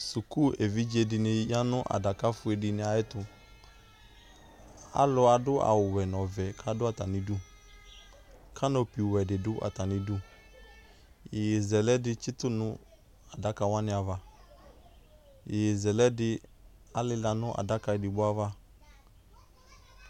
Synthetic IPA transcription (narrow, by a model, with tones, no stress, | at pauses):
su˨ku˦e˨vi˦d͡ʒe˧dɪ˨nɪ˧ja˦nʊ˦ʔa̰˨da˨ka˦fʊ˦ɛ˨dɪ˨nɪ˦a˨jɪ˦tʊ˧ | a̰˨˦lʊ˧˦a˨dʊ˦ʔa̰˨wʊ˨wɛ˨n˨ɔ˨vɛ˨kʰa˦dʊ˦a˨ta˨nɪ˨du˦ | kʰa˦nɔ˨pi˨wɛ˨dɪ˨dʊ˦ʔa̰˨ta˨nɪ˨du˦ | jɪ˨jɪ˨zɛ˨lɛ˦dɪ˦t͡ʃɪ˦tʊ˦nʊ˦ | a˨da˦ka˨wa˦nɪ˦a˨va˨ | jɪ˨jɪ˨zɛ˨lɛ˦dɪ˧ | a˨lɪ˦la˨nʊ˦ʔa̰˨da˦ka˧ɪ˨dɪ˨bʊ˦a˦va˦